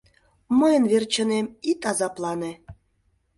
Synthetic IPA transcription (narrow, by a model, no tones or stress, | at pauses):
məjə̆nβert͡ɕə̆nemit̪ɑzɑplˠɑne